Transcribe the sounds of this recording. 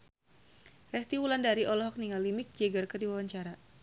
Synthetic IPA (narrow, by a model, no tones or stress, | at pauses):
rɛst̪iwulandaɾiʔɔlɔɦɔk̚niŋalimɪk̚d͡ʒɛɡərkərdiwawaɲt͡ʃaɾa